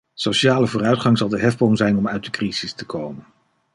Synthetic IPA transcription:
sowʃaːləvʊːrœɥtχɑŋzɑlˠdəɦɛfbɔŋzɛjnɔmœɥt̚dəkriz̥ɪstəkʰowmən

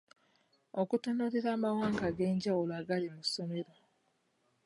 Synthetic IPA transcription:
okutunuːɾiɾaːmawaːŋkaɡe̞ːɲɟawuloaːɡalimusome̞ɾo̞

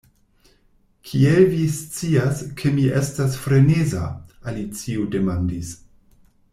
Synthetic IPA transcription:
kʰievist͡siaskʰe̞miʔe̞stasfɾe̞neza̰alit͡siude̞mandis

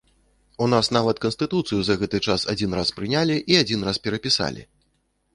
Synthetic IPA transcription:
unasnavɐt̪kɐnst̪ɨt̪ut̪sɨjuzɐɣɛt̪ɨt͡ʂasad͡zʲinɾaspɾɨnʲalʲiʔiad͡zʲinraspʲɛɾɐpʲisa̰lʲḭ

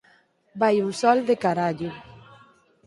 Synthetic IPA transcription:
bajuŋsɔld̪ekaɾaʎʊ

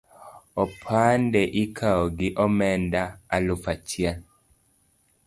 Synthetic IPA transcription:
ɔpʰandɛʔikʰaɔɡiʔɔmɛndaːlufat͡ʃja

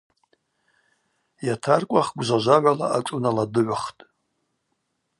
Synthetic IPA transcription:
jatʰarkʷʼaχɡʷʒʷaʒʷaʕʷalaaʈ͡ʂʷʼunaladɨʕʷaχtʼ

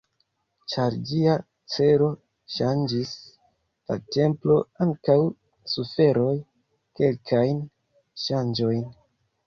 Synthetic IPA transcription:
t͡ʃaɾd͡ʒia | t͡se̞ɾo̞ | ʃand͡ʒis | la̰te̞mplo̞aŋkaw | sufe̞ɾo̞j | ke̞lkʰajn | ʃand͡ʒo̞jn

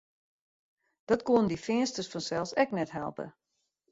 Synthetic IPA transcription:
d̥ɔtkoənəndifɪənstərsfɔnsɛlˠsɛknɛtɦɛ̰lˠpə̰

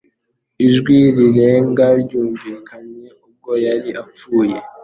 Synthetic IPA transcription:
iʒɡwiɾiɾe̞ːŋɡaɾɟuːɱviːkʰaɲe̞ub̚ɡo̞jaɾiʔap͡fuːje̞

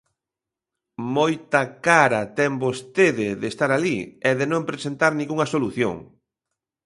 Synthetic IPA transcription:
mojt̪ɐkaɾɐt̪ɛmbost̪eðɪðest̪aɾaliɛðenõmpɾesent̪aɾnĩŋɡuŋɐsoluθjo̰ŋ

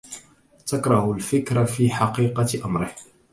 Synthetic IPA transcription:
t̪akɾˤɑhʊlfɪkɾafiːħɑqiːqɑʔamɾɪh

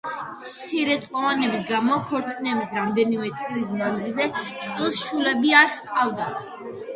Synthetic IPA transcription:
mttt̪sʰiɾɛt̪ʼqʼɔvanɛbisɡamɔkʰɔɾt̪ʼnɛbisɾamd̪ɛnimɛt̪sʼilis̬mand̪zilˠzɛt̪ʼilˠsʃulɛbiaɾqʼavd̪a

